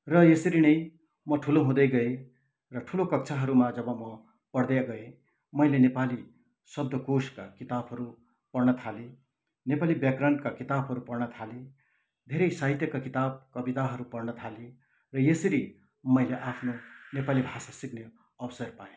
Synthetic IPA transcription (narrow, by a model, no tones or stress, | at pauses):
rʌjesʌɾinʌj | mʌʈʰuloɦũd̪ʌjɡʌe | rʌʈʰulokʌk̚t͡sʰaɦʌɾumad͡zʌbʌmʌ | pʌɽd̪jaɡʌe | mʌjlenepali | sʌb̚d̪ʱʌkoskakit̪abɦʌɾu | pʌrnʌt̪ʰale | nepalibjakrʌɳʈkakit̪abɦʌɾupʌrnʌt̪ʰale | d̪ʱeɾʌjsaɦit̪jʌkakit̪ab̚kʌbit̪aɦʌɾupʌrnʌt̪ʰale | rʌjesʌɾi | mʌjleʔapʰnonepalibʱasasikne | ʌwsʌrpajõ